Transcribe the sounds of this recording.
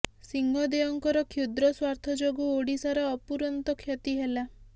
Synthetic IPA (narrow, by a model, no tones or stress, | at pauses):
siŋɡʱɔd̪eɔŋkɔɾɔkʰud̪ɾɔswaɾt̪ʰɔd͡ʒoɡuoɽisaɾɔɔpuɾɔnt̪ɔkʰjet̪iɦela